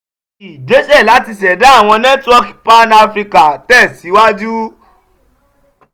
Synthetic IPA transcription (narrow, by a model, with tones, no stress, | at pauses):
i˨d͡ʒe˨˦ʃɛ˦˨la˨˦ti˧s̬ɛ˨da˦˨w̃ɔ̃˧nɛ̃˦tɔ˦kpa˦na˧fɾi˧ka˨tɛ˦˨si˨˦wa˦d͡ʒu˦